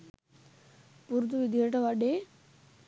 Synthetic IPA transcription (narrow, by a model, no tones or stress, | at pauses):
puɾt̪̬uʋid̪jeʈɐʋaɖe